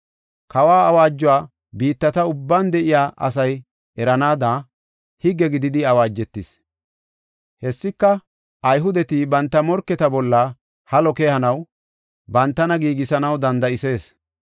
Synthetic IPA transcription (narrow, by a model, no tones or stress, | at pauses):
kɐwaːɐwaːd͡ʒːʊwaː | biːt̪ːɐt̪ɐʊbːaːnd̪ɛʔɪjaːʔɐ̰s̬ɐj | ɛɾɐnaːd̪aː | hɪɡːɛɡɪd̪ɪd̪ɪɐwaːd͡ʒːɛt̪ːɪs | hɛsːɪkːɐ | ɐjɦʊd̪ɛt̪ibɐnt̪ːɐmɔɾkːɛt̪ɐbɔlːɐ | hɐlɔkehɐnɐw | bɐnt̪ːɐnɐɡiːɡɪsɐnɐwd̪ɐnd̪ɐɪse̞ːs